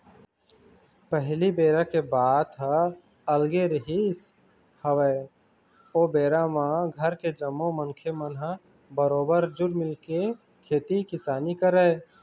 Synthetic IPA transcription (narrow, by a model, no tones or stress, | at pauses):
pəɦlibeːɾakebaːt̪ɦə | əlɡeɾɦis | həʋɛ | oːbeːɾamãɡʱəɾked͡ʒəmːoməŋkʰemənɦə̃ | bəɾoːbəɾd͡ʒʊɾmɪlke | kʰeːt̪ikɪsaːnikəɾəɪ